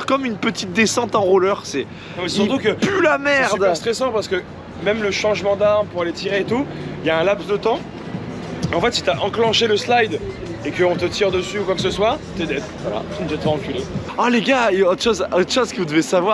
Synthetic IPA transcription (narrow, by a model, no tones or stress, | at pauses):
ʁkɔmynpət̪it̪̚d̪esɑ̃t̪ɑ̃ʁulœʁsɛ̃ | mɛsyʁt̪ukəpylamɛʁd̪st̪χesɑ̃paʁsə̥kə | mɛmləʃɑ̃ʒmɑ̃d̪aʁmpuʁalet̪ʰiʁeːt̪uljaɛ̃lapsd̪ət̪ɑ̃ | ɑ̃fɛt̪si̥t̪yaʔɑ̃klɑ̃ʃeləslajd̪ | ekəɔ̃t̪ət̪iʁd̪əsyukwaksəswat̪ed̪ɛd̪vwala̰t̪ynʒɛt̪paʁ̃kʲyle | aleɡaeot̪χʃozot̪χʃozkəvud̪əvesavwaʁ